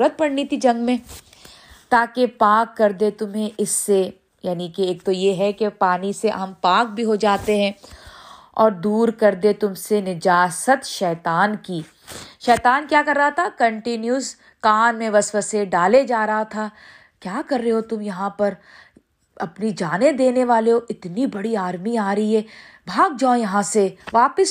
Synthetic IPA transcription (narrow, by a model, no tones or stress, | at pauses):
ɾət̪̚pɐɽnit̪ʰid͡ʒɐ̃ŋɡmẽ | t̪aːkepaːkːɐɾd̪et̪ʊmɦẽʔɪsːe | jaːnikeeːk̚t̪ojeɦɛkepaːniseɦɐmpaːk̚bʱiɦod͡ʒaːt̪eɦɛ̃ː | ɔːɾd̪uːɾkɐɾd̪et̪ʊmsenɪd͡ʒaːsət̪ʃɛːt̪aːnki | ʃɛːt̪aːnkjaːkɐɾːɐɦat̪ʰakɐ̃ɳʈɪnjuz | kaːnmẽʋɐsʋəseɖaːled͡ʒaːɾɐɦat̪ʰaː | kjaːkɐɾːeɦot̪ʊmjɐɦãpɐɾ | ɐpnid͡ʒaːned̪eːneʋaːleɦoʔɪt̪nibɐɽiaːɾmiaːɾɐɦiɦɛː | bʱaːɡ̚d͡ʒãːjɐɦãseʋaːpəs